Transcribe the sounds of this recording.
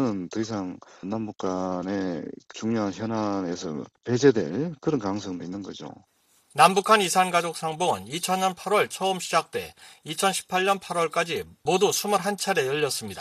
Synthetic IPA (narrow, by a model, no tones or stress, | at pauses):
ɯntɯis̬ʰaŋnːambuk͈ʰanet͡ɕuŋɲoɦançjʌnane̞sʰʌ̰pe̞d͡ʑedwe̞̰ɭkɯɾʌnkaŋsʰʌŋdoinːɯnɡʌd͡ʑo̰ | nambukʰanisʰanɡad͡ʑok̚s͈aŋboɯnit͡ɕʰʌnɲʌnpʰaɾwʌɭt͡ɕʰʌɯmɕʰid͡ʑak̚t͈we̞̰it͡ɕʰʌnɕʰi̥pʰaɭɲʌnpʰaɾwʌɭk͈ad͡ʑimodusʰumʌɾɦant͡ɕʰaɾe̞jʌʎːʌs͈ɯmɲida